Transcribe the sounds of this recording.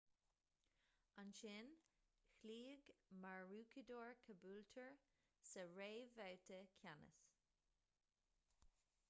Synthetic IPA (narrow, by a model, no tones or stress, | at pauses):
anʃɪn | xliːɡmaɹɹuːkʰəd̪oːɹkʰəbuːltʰəɹ | səɹeːvawtʰəkʰjanə̰s